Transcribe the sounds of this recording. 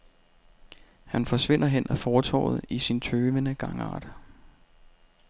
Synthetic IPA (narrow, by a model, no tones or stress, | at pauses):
hænfɒ̽sʋe̝n̰ɐɦen̰ʔæfɒːt͡sʰɒ̰ːʊð̞̩ˠisint͡sʰøːʋənəɡ̥ɑ̈ŋɑ̰̈ːd̥